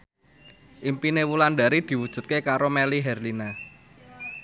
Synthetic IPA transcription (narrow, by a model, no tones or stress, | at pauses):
ʔimpinewulanɖ̪aɾid̪̥i̤wud̥ʒ̥ṳt̪̚kekaɾomeliɦɛrlina